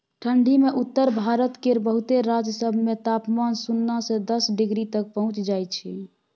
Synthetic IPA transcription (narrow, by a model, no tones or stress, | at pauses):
ʈʰəɳɖʱimeʔut̪ːəɾbʱaɾət̪keɾbəɦut̪eɾad͡ʒjəsəbʱmet̪apmansunːasẽd̪əsɖiɡɾit̪ək̚pəɦũt͡ʃd͡ʒajt͡ʃʰi